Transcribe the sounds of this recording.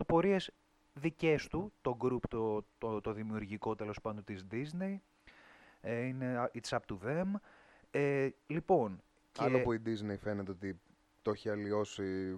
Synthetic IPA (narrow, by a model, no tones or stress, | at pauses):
opoɾiez | ðice̞st̪ut̪o̞ɡɾupt̪ot̪ot̪o̞ðimiuɾʝiko̞t̪e̞lo̞spɐnd̪ont̪izd̪izne̞j | eine̞it͡sɐp̚t̪uðem | elipo̞n | cɐlopuid̪izne̞jfe̞net̪eo̞t̪i | t̪o̞çiɐlio̞si